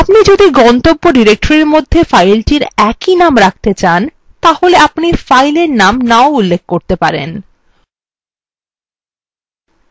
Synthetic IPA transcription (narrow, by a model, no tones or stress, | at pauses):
apnid͡ʑod̪iɡɔnt̪obːoɖiɾek̚ʈoɾeɾmod̪ʱːefajlʈiɾɛkinamɾak̚ʰt̪et͡ɕan | t̪aholeapnifajleɾnamnaoulːek̚ʰkoɾt̪epaɾḛn